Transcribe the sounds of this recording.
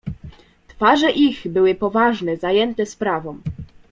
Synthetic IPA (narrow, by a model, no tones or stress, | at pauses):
t̪faʐɛʔiɣbɘwɘpɔvaʐnɛzajɛnt̪ɛspɾavɔ̃m